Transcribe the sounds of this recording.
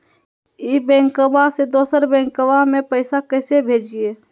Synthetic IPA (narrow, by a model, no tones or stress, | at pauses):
ibɛ̃ŋkəbased̪oːsəɾbɛ̃ːŋkəwamẽpəɪsakəɪsebʱeːd͡ʒie